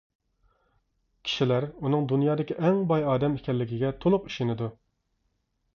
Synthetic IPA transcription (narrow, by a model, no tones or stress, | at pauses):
kʲʰi̥ʃilæɾunɨŋd̪unjɑːd̪ɪkʲiʔɛŋbɑjɑːd̪ɛmɪkʲʰɛlːɪɡʲiɡʲɛt̪ʰolˠʊqi̥ʃenɪd̪u